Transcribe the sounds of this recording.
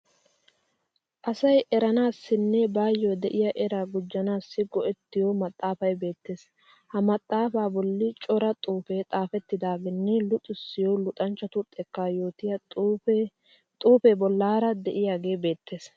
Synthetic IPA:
ʔɐsɐjʔɛɾɐnaːsːɪnːɛbaːjːod̪ɛʔɪjɐʔɛɾaːɡʊd͡ʒːɐnaːsːɪɡɔʔɛt̪ːɪjomɐt̪ʼːaːfɐjbe̞ːt̪ːe̞ːs | hɐmɐt̪ʼːaːfaːbɔlːɪt͡ʃʼɔɾɐt̪ʼuːfeːt̪ʼaːfɛt̪ːɪd̪aːɡɪnːɛlʊt̪ʼʊsːɪjolʊt̪ʼɐnt͡ʃːɐt̪ʊt̪ʼːɛkːajoːt̪ɪjɐ | t̪ʼuːfeːbɔlːaːɾɐd̪ɛʔɪjaːɡe̞ːbe̞ːt̪ːe̞ːs

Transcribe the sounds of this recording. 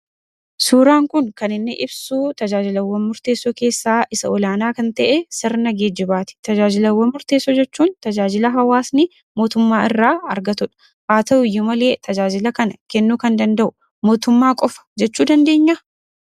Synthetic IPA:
suːɾaːŋkʊŋkɐnɪnːɪʔɪbsuːt̪ɐd͡ʒaːd͡ʒɪlɐwːɐnmʊɾt̪eːsːoke̞ːsːaːʔɪsɐɔlaːnaːkɐnt̪ɐʔɛsɪɾnɐɡeːd͡ʒɪbaːt̪ɪ̥t̪ɐd͡ʒaːd͡ʒɪlɐwːɐmmʊɾt̪e̞ːsːɔd͡ʒɛt͡ʃːuːnt̪ɐd͡ʒaːd͡ʒɪlɐɦɐwaːsnɪ | mo̞ːt̪ʊmːaːɪrːaːɐɾɡɐt̪ʊᶑɐ̥ | ʔaːt̪ɐʊjːʊmɐle̞ːt̪ʰɐd͡ʒaːd͡ʒɪlɐkɐnɐkɛnːuːkɐnd̪ɐnd̪ɐʔʊ | mo̞ːt̪ʊmːaːkʼɔfɐ̥d͡ʒɛt͡ʃːuːd̪ɐnd̪e̞ːɲːɐ

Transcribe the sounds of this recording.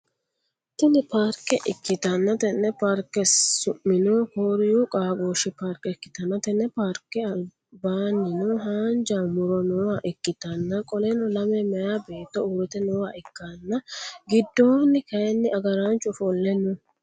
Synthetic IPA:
t̪ɪnɪpaːɾkːɛʔɪkːɪt̪ɐnːɐt̪ɛnːɛpaːɾkːɛsʊmːɪnoːkoːɾɪjukʼaːɡoːʃɪpaːɾkːɛɪkːɪ̥t̪ɐnːɐt̪ɛnːɛpaːɾkːɛɐl | baːnːɪnoɦaːnd͡ʒaːmʊɾɔnɔwaːʔɪkːɪt̪ɐnːɐkʼɔlɛnɔlɐmɛmɛjaːbe̞ːt̪ːɔuːɾɛt̪ɛnɔwaːɪkːanːɐɡɪd̪ːoːnːɪkɐjɛnːɪɐɡɐɾant͡ʃʼːʊfɔlːɛnʊ

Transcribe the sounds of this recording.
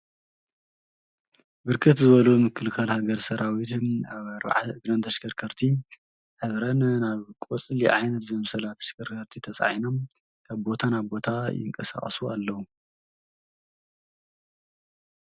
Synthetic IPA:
bɨɾkʰɨt̪zɨβɐlumɨkʰːɨlkʰalhaɡɐɾsɐɾʔawit̪ʰaβɐɾβa̰ʕa̰ɨɡɾɐnt̪ʰɐʃɡʰɐɾkʰɐɾt̪ʰi | ħɨβɾɐnnaβkʼot͡sʼliʕajnɐt̪zɐmsɐlat̪ʰɐʃkɐɾkʰɐɾt̪ʰit̪ʰɐt͡sʼa̰ʕino̞m | aβbo̞t̪ʰanaβbo̞t̪ʰajɪ̰ŋkʼɐsa̰χʼsua̰lːɐwu

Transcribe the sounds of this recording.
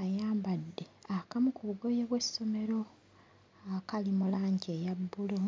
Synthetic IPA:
ajaːmbadːe̞akamukuβuɡo̞jeβwesːo̞me̞ɾo̞ | akalimulaːɲɟejabːulo

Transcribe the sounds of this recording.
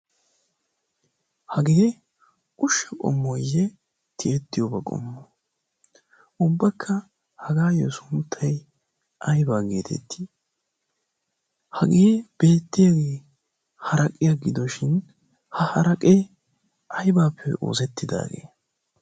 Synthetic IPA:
hɐɡeː | ʊʃːɐkʼɔ̰mːɔjːɛ | t̪ʰɪɛt̪ːɪjobɐkʼɔ̰mːɔ | ʔʊbːɐkʰːɐ | hɐɡaːjɔsʊnt̪ʰːɐj | ʔɐjbaːɡeːt̪ʰɛ̰t̪ːi | hɐɡeːb̥e̞ːt̪ːɪjɐɡeː | hɐɾɐkʼɪjɐɡɪd̪ɔʃɪn | hɐhɐɾɐkʼe | ɐjbaːpʰːɛ̰o̰ːsɛt̪ːɪd̪a̰ːɡe̞̰ː

